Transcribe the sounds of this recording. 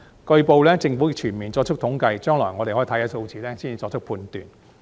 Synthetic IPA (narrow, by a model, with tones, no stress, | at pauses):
kɵ˧ɥpo˨˧wlɛː˥t͡sɪ˧ŋfu˨˥jɪ˧k̚t͡ʃʰyː˨˩nmiː˨nt͡sɔː˧k̚t͡ʃʰʊ˥k̪̚ʰʊ˨˥ŋkɐ˧jt͡ʃœː˥ŋlɔ̰ː˨˩jŋɔː˨˧ɾe˨hɔ˥˨˩jɐː˨˥so˧wt͡siː˨˧lɛː˥siː˥ni˨˩t͡sɔː˧k̚t͡ʃʰʊ˥kpʰuː˧nt̪y̰ː˨˩n